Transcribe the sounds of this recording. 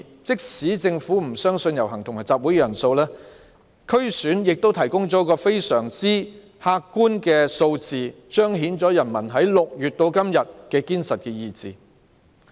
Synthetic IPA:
t͡sɪ˥k̚siː˨˥t͡sɪ˧ŋfuː˨˥m̩˨˩sœː˥ŋsɵ˧njɐ˨˩wɦɐ˨˩ŋt̪ʰʊ˨ŋmaː˨˩t͡saː˧p̚wuː˨˥jkɛ˧jɐ˨˩nso˧wlɛː˥ | kʰɵ˥ɥsyː˨˥njɪ˨k̚t̪o˥wt̪ʰɐ˨˩jkʊ˥ŋt͡sɔː˨˥kɔː˧fe˥jsœː˨˩ŋt͡siː˥ | haː˧kːuː˥nkɛː˧so˧wt͡siː˨ | t͡ʃœː˥ŋɦiː˨˥nt͡sɔː˨˥jɐ˨˩nmɐ˨˩nɦɐ˨˥jlʊ˨k̚jyː˨t̚t̪o˧wkɐ˥mjɐ˨t̚kɛː˧kiː˥nsɐ˨t̚kɛː˧jiː˧t͡siː˨

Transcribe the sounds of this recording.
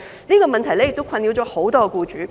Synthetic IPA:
niː˥kɔː˧mɐ˨nt̪ʰɐ˨˩jlɛ˥jɪ˨k̚t̪wkʰɐ˧nli˨˧wt͡ɕɔː˨˥ho˨˥wt̪ɔː˥ɡɛ˧kuː˧t͡ʃyː˨˥

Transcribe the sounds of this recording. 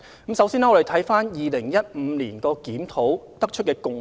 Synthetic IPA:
kɐ˨˥msɐ˨˥wsiː˥nɛ˥ŋɔ˨˧ɾe˨jt̪ʰɐ˨˥jfaː˥njiː˨lɪ˨˩ŋjɐ˥t̚m̩˨˧liː˨˩nkɔː˧kiː˨˥mt̪ʰo˨˥wt̪ɐ˥k̚t͡ʃʰɵ˥t̚kɛː˧kʊ˨ŋ

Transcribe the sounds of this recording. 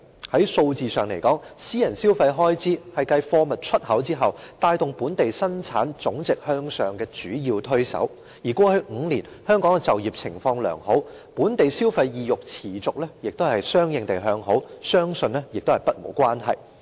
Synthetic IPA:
hɐ˨˥jso˧wt͡siː˨˧sœː˨˩ŋle˨˩jkɔː˨˥ŋsiː˥jɐ˨˩nsiː˥wfɐ˧jɦɔː˥jt͡siː˥hɐ˨jkɐ˧jfɔː˧mɐ˨t̚t͡ʃʰɵ˥t̚hɐ˨˥wt͡siː˥ɦɐ˨wt̪aː˧jt̪ʊ˨ŋpuː˨˥nt̪e˨jsɐ˥nt͡sʰa̰ː˨˥nt͡sʊ˨˥ŋt͡sɪ˨k̚hœː˧ŋsœː˨ŋkɛː˧t͡ʃyː˨˥jiː˧wt̪ʰɵ˥ɥsɐ̰˨˥w | jiː˨˩kwɔː˧hɵ˧ɥŋ̩˨˧liː˨˩n | hœː˥ŋkɔː˨˥ŋkɛ˧t͡sɐ˨wjiː˨p̚t͡sʰɪ˨˩ŋfɔː˧ŋlœ̰ː˨˩ŋho˨˥w | puː˨˥nt̪e˨jsiː˥wfɐ˧jːiː˨˧jʊ˨k̚t͡sʰiː˨˩t͡sʊ˨k̚lɛː˥jɪ˨k̚t̪o˥whɐ˨jsœː˥ŋjɪ˨˧ŋt̪e˨jɦœː˧ŋɦo˨˥wsœː˥ŋsɵ˧nlɛ˥jɪ˨k̚t̪whɐ˨jpɐ˥t̚mo̰˨˩wkʷaː˥nɦɐ˨j

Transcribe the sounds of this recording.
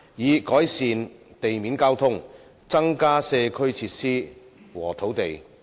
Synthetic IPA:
jiː˨˧kɔː˨˥jsiː˨nt̪e˨jmiː˨˥nkaː˥wt̪ʰʊ˥ŋ | t͡sɐ˥ŋkaː˥sɛː˧kʰɵ˥ɥt͡sʰiː˧˥t̚siː˥ | wɔː˨˩t̪ʰo˨˥wt̪e˨j

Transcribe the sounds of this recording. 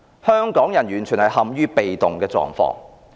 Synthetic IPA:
hœː˥ŋkɔː˨˥ŋjɐ˨˩nɥyː˨˩nt͡ʃʰyː˨˩nhɐ˨jhɐ˨mɥyː˥pe˨jt̪ʊ˨ŋkɛː˧t͡sɔ̰ː˨˧ŋfɔ̰ː˧˥ŋ

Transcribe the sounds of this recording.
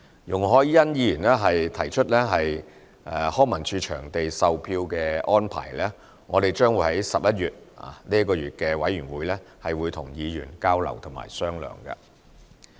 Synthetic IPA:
jʊ˨˩ŋɦɔː˨˥jjɐ˥njiː˨˧jyː˨˩nlɛː˥ɦɐ˨jt̪ʰɐ˨˩jt͡ʃʰɵ˥t̚lɛː˥ɦɐ˨j | ɛ˨˧hɔː˥ŋmɐ˨˩nt͡ʃʰyː˧t͡ʃʰœː˨˩ŋt̪e˨jsɐ˨wpʰiː˧wkɛː˧ʔɔː˥npʰa̰ː˨˩jlɛː˥ | ŋɔː˨˧d̪e˨jt͡ʃœː˥ŋwu˨˧˥hɐ˨˥jsɐ˨p̚jɐ˥t̚jyː˨˩t̚a̰˨˩liː˥jɐ˥kːɔː˧jyː˨t̚kɛː˧wɐ˨˥jy˨˩nwuː˨˧jlɛː˥hɐ˨jwuː˨˧jt̪ʰʊ˨˩ŋjiː˨˧jyː˨˩nkaː˥wlɐ̰˨˩wt̪ʰʊ˨˩ma̰ː˨˩jsœː˥ŋlœ̰ː˨˩ŋkɐ̰˧

